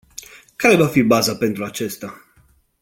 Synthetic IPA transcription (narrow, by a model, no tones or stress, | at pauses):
kaɾe̞vafibazape̞nt̪ɾuat͡ʃe̞st̪a